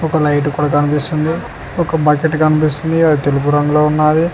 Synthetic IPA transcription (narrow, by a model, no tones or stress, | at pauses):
ɔkɐlɐjʈ̬kuːɽaːkɐnipist̪und̪i | ɔkɐbɐkeʈkɐnipist̪und̪iɐd̪it̪elupuɾɐŋɡuloːunːaːd̪i